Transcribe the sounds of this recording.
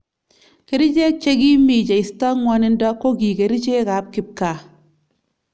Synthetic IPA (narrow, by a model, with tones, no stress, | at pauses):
ke˨ɾi˦t͡ʃe˦k̚t͡ʃe˦ɡi˦mi˨t͡ʃe˨i˨stɔ˦ŋwɔ˦nɪ˦ndɔ˦kːo˦ɡi˨ke˨ɾi˦t͡ʃe˦ka˨˦p̚kɪ˦p̚ka˨